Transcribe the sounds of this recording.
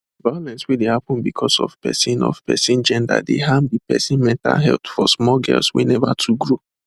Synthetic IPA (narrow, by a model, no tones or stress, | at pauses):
balɛ̃nswedehapʊ̃nbikʰɔsɔ̰v̥pɛ̰sĩnɔ̰vpɛsĩnd͡ʒɛ̃nda̰deɦãnbipɛsĩnmɛ̃nta̰lɦɛ̰tfɔsmɔɡɛ̰lswḛnɛvatʰuɡɹo